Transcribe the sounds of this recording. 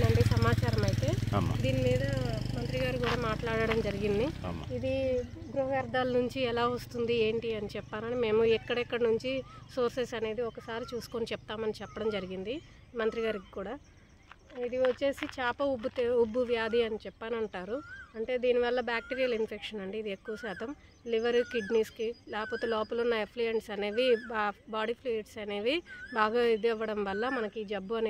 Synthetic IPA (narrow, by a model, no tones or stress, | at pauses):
ɐɳɖisɐmaːt͡ʃaːɾɐmɐjit̪e̞̰ːm̰d̪iːnimiːd̪ɐmɐnt̪ɾiɡaːɾikuːɽaːmaːʈlaːɽɐɽɐmd͡ʒɐɾiɡind̪ḭm̰id̪iɡɾuɦɐʋjɐɾd̪aːlɐnuɲt͡ʃiɛlaːʋost̪und̪ie̞ːɳʈiɐnit͡ʃɛpːaːnɐnime̞ːmuɛkːɐɽɛkːɐɽɐnuɲt͡ʃisoːɾsesɐne̞ːd̪iɔkɐsaːɾit͡ʃuːsu̥konit͡ʃɛp̚t̪aːmɐnit͡ʃɛpːɐɽɐmd͡ʒɐɾiɡind̪i | mɐnt̪ɾiɡaːɾiki̥kuːɽaː | id̪iʋɐt͡ʃːe̞ːsit͡ʃaːpɐubːut̪ubːuʋjaːd̪ʱiɐnit͡ʃɛpːaːnɐɳʈaːɾuɐɳʈe̞ːd̪iːniʋɐlːɐbjaːk̚ʈiːɾijɐlinpʰekʂɐnɐɳɖiːd̪iekːuʋɐsɛːt̪ɐm | liʋɐɾukiɖniːskilaːkɐpoːt̪eːlɔːpɐlunːɐepʰlijɐɳʈsɐne̞ːʋibaːɖipʰliʈsɐne̞ːʋibaːɡaːid̪ɛʋːɐɽɐmʋɐlːɐmɐnɐkiːd͡ʒɐbːuɐn